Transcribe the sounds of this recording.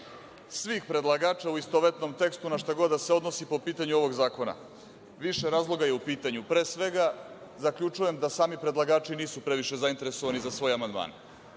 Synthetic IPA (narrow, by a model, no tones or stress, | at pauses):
sʋiːxpɾe̞d̪lˠaɡaːt͡ʃauist̪oʋet̪no̞mt̪e̞kst̪unaʃt̪aɡo̞d̪d̪ːase̞o̞d̪nosipo̞piːt̪aɲuo̞ʋo̞ɡzaːko̞na̰ | ʋiʃeɾaːzlˠo̞ɡaje̞upiːt̪aɲupɾe̞ːsʋe̞ɡa | zakʎʲut͡ʃuje̞md̪asaːmipɾe̞d̪lˠaɡaːt͡ʃiniːsupɾe̞ʋiʃe̞zaint̪e̞ɾeso̞ʋanizasʋo̞ːjamand̪ma̰ːn